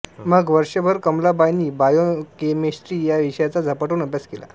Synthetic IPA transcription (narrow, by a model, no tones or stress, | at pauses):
məɡʋəɾʂəbʱəɾkəmlabajniːbajokemesʈɾiːjaʋiʂjat͡sad͡zʱəpaʈuːnəbjaskela̰